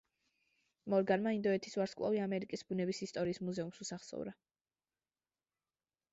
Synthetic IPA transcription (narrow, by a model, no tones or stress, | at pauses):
mɔɾɡanmaind̪ɔɛt̪ʰiswaɾskʼlˠa̰viamɛɾikʼisbunɛbisist̪ʼɔɾiːsmuzɛumsusaχsɔ̰vɾa